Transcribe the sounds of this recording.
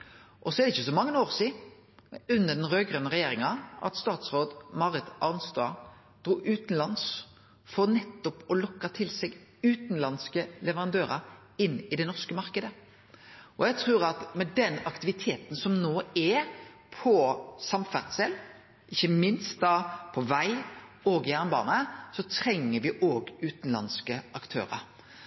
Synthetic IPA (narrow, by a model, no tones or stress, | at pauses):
ʔɔsɔɛɾd̪ɛɪçːəsɔmɑŋːənoːʁsiː | ʉnːəd̪ɛnʁøːɡʁœnəʁɛjeːɾɪŋɑʔɑ̰t̪st̪ɑːt̪sɾoːd̪mɑʁɾɪt̪ʔɑʁnst̪ɑ̰ | d̪̥ɾuːʔʉːt̪n̩lɑns | fɔʁnɛt̪ːɔpɔlɔkːɑt̪ʰɪlsɛɡʉːt̪n̩lɑnskəlɛʋəʁɑnd̪øːɾɑ | ɪnːɪd̪ɛnɔʁskəmɑʁkəd̪ə | ɔjɛɡt̪ʰʁʉːɾɑt̪mɛd̪ɛnɑkt̪ɪʋɪt̪ʰeːt̪n̩sɔmnoːɛ | pʰɔsɑmfæʁt̪sɛl | ʔɪçːəmɪnst̪̚d̪ɑpʰɔʋæɪoːɡɪæʁnbɑ̰ːnəsɔt̪ʰɾɛŋːəɾʋɪʔoːɡʉːt̪n̩lɑ̰nskəʔɑkt̪ʰø̰ːɾə̰ɾ